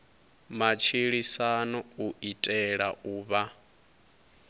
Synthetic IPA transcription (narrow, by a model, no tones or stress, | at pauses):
mat͡ʃʰiɺisanɔuitʼɛɺaʔuːβa